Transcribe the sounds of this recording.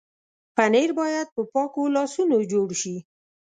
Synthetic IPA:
paneɾbɑjad̪̚pəpɑkolɑsunod͡ʒoɽʃi

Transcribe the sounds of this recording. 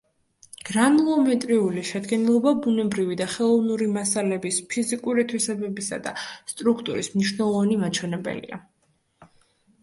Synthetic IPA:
ɡ̥ɾanulˠɔmɛt̪ʼɾiuliʃɛd̪ɡɛnilˠɔbabunɛbɾivid̪aχɛlˠɔvnuɾimasalɛbispʰizikʼuɾit̪ʰwisɛbɛbisa̰d̪a̰st̪ʼɾukʰt̪ʼuɾismniʃwnɛlˠɔvanimat͡ʃʰwɛnɛbɛ̰lḭa̰

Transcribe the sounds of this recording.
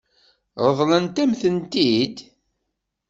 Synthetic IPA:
ʁəðˤlənt̪æmθənt̪id̪

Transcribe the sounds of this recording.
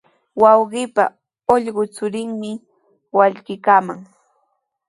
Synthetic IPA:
wɑwɢɪpa̰ | oʎɢʊt͡sʊɾɪŋmɪ | waʎɢɪkaːmaŋ

